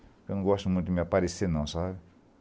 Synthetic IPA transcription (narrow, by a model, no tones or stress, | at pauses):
kɐ̃ñɡɔst̪umũj̃t̪ʊd̪ɪmapaɾesenɐ̃w̃sabɪ